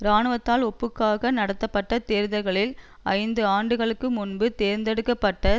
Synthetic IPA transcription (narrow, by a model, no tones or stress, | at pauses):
ɾaːnɯʋɐt̪ːaːlɔpːɯkːaːɣɐnɐɽɐt̪ːɐpːɐʈːɐt̪eːɾðɐɪɣɐɭɪl | ɐɪnd̪ɯaːɳɖɯɣɐɭɯkːɯmʊnbɯt̪eːɾnd̪ɛɽɯkːɐpːɐʈːɐ